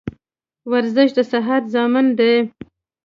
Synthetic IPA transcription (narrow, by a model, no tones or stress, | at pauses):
waɾzɪʃd̪əsaɦat̪zɑmənd̪e